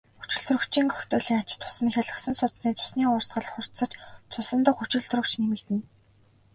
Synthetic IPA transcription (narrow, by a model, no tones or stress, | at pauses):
xu̥t͡ɕɪ̆ɮt̪rɵ̆kt͡ɕiːŋkœxt̪ʊːɮiːŋat͡ɕɪ̆t̪ʰːʊ̥sə̆nxʲaɮə̆χsə̆nsʊt̪siːt͡sʊ̥sniːʊrsɢə̆ɮχʊr̥t̪sə̆t͡ɕt͡sʰʊsə̆nt̪ə̆χut͡ɕɪ̆ɮt̪rə̆kt͡ɕnemɘ̆kt̪ɘ̆n